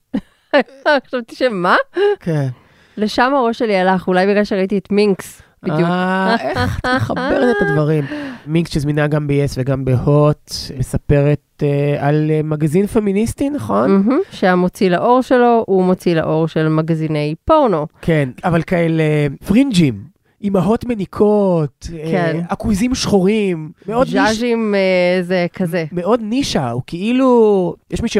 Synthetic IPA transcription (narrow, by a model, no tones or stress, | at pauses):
χʃavt̪i̥ʃemakʰen | leʃamaʁo̞ʃelialaχulajbiɡlalʃeʁait̪iet̪miŋksb̥iddajuket̪meχaeʁet̪et̪advaʁimmiŋksʃezminaɡambeesveɡambehot̪mesape̞ʁet̪alemaɡazinfeminist̪inaχo̞nm̩ɦm̩ʃeamot͡silaʔo̞ʁʃelo̞umot͡sila̰ʔo̞ʁʃelmaɡzine̞jpoʁnokʰenavalkaelefʁind͡ʒim | ʔimaɦo̞t̪menikʰotkenakwizimʃχoʁimmeodd͡ʒaʒimzekʰazemeo̞d̪niʃaukeʔilujɛʃmiʃe